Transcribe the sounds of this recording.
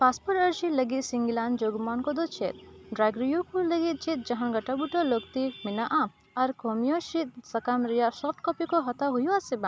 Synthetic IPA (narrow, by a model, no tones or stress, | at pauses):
paspɔɾəɾd͡ʒiləɡit̪siŋɡiland͡ʒoɡmankɔd̪ɔt͡ʃʰḛt̪̚ɖɾaɡɾijukuləɡit̪̚t͡ʃit̪̚d͡ʒaɦãnɡɐʈabuʈɔlokt̪iminaʔa | ɐɾkomijɔʃit̪̚sɐkamɾijasɔfʰʈkɔpikɔɦɔt̪aɦujuasebã